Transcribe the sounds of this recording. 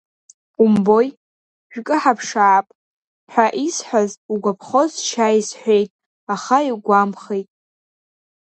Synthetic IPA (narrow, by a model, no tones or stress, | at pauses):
qʼʊmbo̞j | ʒᶣkʼɨħapʰʂaːpʼ | ħʷᶣaʔisħʷᶣazuɡʷapʰχozʃajsħᶣʷejtʼ | aχaiɡʷamχejtʼ